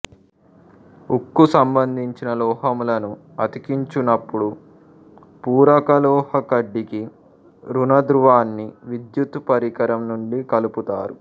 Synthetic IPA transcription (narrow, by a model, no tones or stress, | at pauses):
ukːusɐmbɐnd̪ʱiɲt͡ʃinɐlɔːɦɐmlɐnu | ɐt̪ikiɲt͡ʃunɐpːuɽu | puːɾɐkɐlɔːhɐkɐɖːiki | ɾunɐd̪ɾuʋaːnːiʋid̪jut̪ːpɐɾikɐɾɐmnuɳɖikɐluput̪a̰ːɾu